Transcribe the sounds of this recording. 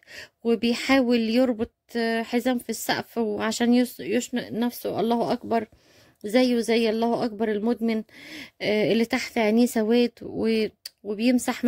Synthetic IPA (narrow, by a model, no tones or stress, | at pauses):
webejħaːweljeɾˤbot̪̚ˤħezæːmfisːæ̰ʔfwʕaʃæːnjjoʃneʔnæfsoʔɑ̰lˤːɑːhʔɑkbɑɾˤ | zæjːzæjːʔɑlˤːɑːhʔɑk̚bɑɾˤelmod̪mɪn | ʔelːit̪aħt̪ʕeniːsæwæːd̪wewebejemsaħm